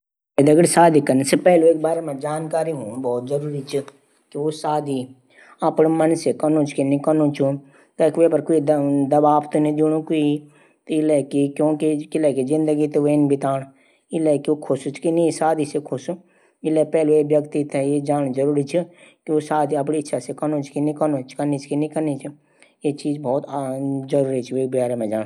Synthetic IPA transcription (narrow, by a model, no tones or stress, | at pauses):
ed̪ɐɡəɽsaːd̪ʱikɐnsepɛːlueːk̚baːɾemɛ̃d͡ʒaːnkaːɾiɦũbɔːt̪̚zɐɾuːɾit͡ʃʰi | kiʋosaːd̪ʱi | ɐpnmənsekɐnõt͡ʃkinĩkənõt͡ʃʰu | kɐkepəɾkuid̪d̪ɐbaːpt̪onĩd̪uɽ̃ũkui | t̪ɪlɛkikjõːkikɪlɛkizɪ̃nd̪əɡit̪eʋeːnbʱit̪aːɽ̃ | ɪlɛkiokʰʊsut͡ʃkinĩsaːd̪isekʰʊsu | ɪlepɛːluebjəkt̪it̪ʰɛjed͡ʒaːñd͡ʒəɾuːɾit͡ʃʰikiosaːd̪ʱiɐp̬niɪtːʃʰasekənõt͡ʃʰkinɪkənõt͡ʃkɐnit͡ʃkinĩkɐɾnit͡ʃʰi | jet͡ʃiːzbɔːt̪ːzəɾuːɾit͡ʃʰieːkbjaːɾemẽd͡ʒaːɽ̃